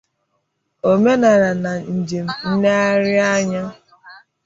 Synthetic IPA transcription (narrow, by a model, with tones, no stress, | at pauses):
o˨me˦na˨ɾa˨na˨n̩˨d͡ʒe˨m̩˦˨n̩˦ne˦a˦ɾɪ˦a˦ɲa˦